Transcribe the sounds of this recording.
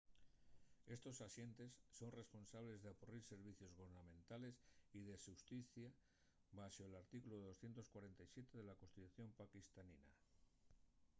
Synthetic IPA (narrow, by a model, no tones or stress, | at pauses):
e̞st̪o̞saʃje̞nt̪e̞sːo̞nre̞spo̞nsaβ̞le̞zðeapuriɾse̞ɾβ̞iθjo̞zɣoβɾnamẽnt̪ale̞siðeʃust̪iθja | βaʃoelaɾt̪ikuloðo̞sθje̞nt̪o̞skwaɾe̞nt̪ajsje̞t̪e̞ðe̞lakonst̪it̪uθjo̞mpakist̪anina